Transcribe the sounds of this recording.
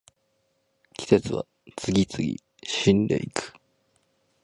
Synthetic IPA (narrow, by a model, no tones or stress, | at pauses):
kʲi̥se̞t͡sɨβa̰ | t͡sɨɡʲit͡sɨɡʲḭ | ɕĩnd̪ḛikɯ̥